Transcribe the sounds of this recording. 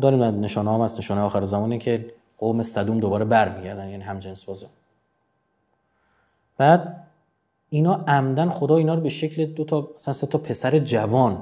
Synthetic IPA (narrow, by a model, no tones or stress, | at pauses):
d̪ɒːɾimd̪æneʃɒːnehɒːmhæsneʃɒːnejɒːxæɾezæmɒːneincʰe | qoːmesæd̪umd̪obɒːɾebæɾmiɟæɾd̪ænjæːniːɦæmd͡ʒensbɒːze | b̥æːd̪̚ | inɒːʔæmd̪ænxo̞d̪ɒːiːnɒːɾobe̞ʃecʰled̪ot̪ʰɒmæsænset̪ʰɒːpʰe̞sæɾed͡ʒævɒːn